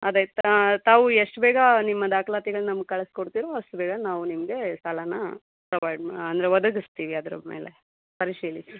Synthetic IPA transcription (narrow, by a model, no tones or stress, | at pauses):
ɐd̪ejt̪t̪aːʋueʂʈbɛːɡɐnimːɐd̪aːkɐlaːt̪iɡɐɭnɐmɐɡ̚kɐɭeskoɽt̪iːɾoɐsʈubɛːɡɐnaːʋunimɐɡe̞sɐlɐnɐ | pɾɐʋɐjɖɐnd̪ɐɾeʋɐd̪ɐɡist̪iːʋiɐd̪ɾɐmḛːle | pɐɾiʂiːlisi